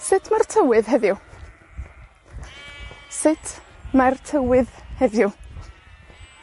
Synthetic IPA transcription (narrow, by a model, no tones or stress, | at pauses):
sɪtʰmartʰəwɨðɦɛðjʊ | sɪtʰmartʰəwɪðhɛðjʊ